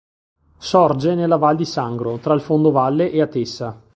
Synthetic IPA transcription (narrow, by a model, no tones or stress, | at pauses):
sɔrd͡ʒenelːavald̪isaŋɡɾot̪ɾailfond̪ovalːeʔeat̪esa